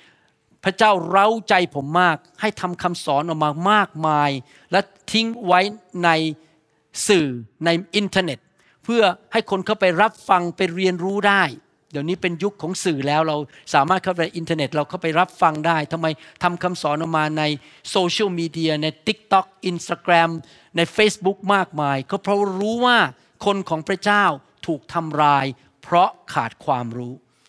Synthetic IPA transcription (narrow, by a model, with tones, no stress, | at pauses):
pʰɾa˦˥t͡ɕaː˥˩wɾa˦˥wt͡ɕa˧jpʰo˩˦mːaː˥˩k̚ha˥˩jt̪ʰa˧mkʰa˧msɔː˩˦nʔɔː˨˩maː˧maː˥˩k̚maː˧j | lɛ˦˥ | t̪ʰi˦˥ŋwa˦˥jna˧j | sɯː˨˩na˧jʔi˧nt̪ʰa˧ne˨˩t̪̚ | pʰɯ˥˩ɐha˥˩jkʰo˧nkʰa˥˩wpa˧jɾa˦˥p̚fa˧ŋpa˧jɾi˧ənɾuː˦˥daː˥˩j | di˨˩əwniː˦˥pe˧nju˦˥kʰːɔː˩˦ŋsɯː˨˩lɛː˦˥wɾa˧w | saː˩˦maː˥˩t̪̚kʰa˥˩pa˧na˧jʔi˧nt̪ʰa˧ne˨˩t̪̚ɾa˧wkʰa˥˩wpa˧jɾa˦˥p̚fa˧ŋdaː˥˩jt̪ʰa˧mːa˧jt̪ʰa˧mkʰa˧msɔː˩˦nʔɔ˧˩maː˧na˧j | soː˧t͡ɕʰɯ˥˩wmiː˧di˧ɐna˧jt̪i˦˥k̚t̪ɔ˦˥k̚ʔi˧nst̪aː˧kɾɛ˧m | na˧jfeː˥˩sbu˦˥k̚maː˥˩k̚maː˧jkʰɔ˥˩pʰɾɔ˦˥ɾuː˦˥waː˥˩ | kʰo˧nkʰɔː˩˦ŋpʰɾa˧˥t͡ɕaː˥˩w | t̪ʰuː˨˩k̚t̪ʰa˧mɾaː˧j | pʰɾɔ˦˥kʰa̰ː˨˩t̪̚kʰwaː˧mɾuː˦˥